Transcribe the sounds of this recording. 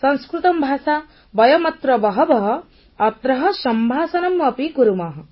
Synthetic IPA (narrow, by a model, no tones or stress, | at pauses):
sɔŋskɾut̪ɔmbʱaːsa | bɔjɔmɐt̪ɾɔbɔɦɔbɔɦɔː | t̪ɾɔɦɔʃɔmbʱaːsɔnɐmɐpikuɾumaɦɔ